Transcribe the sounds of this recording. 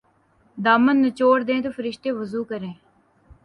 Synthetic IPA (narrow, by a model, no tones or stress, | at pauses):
d̪aːmənːət͡ʃoːɾd̪ẽːt̪oːfʰəɾɪʃt̪eːʋəzuːkəɾẽː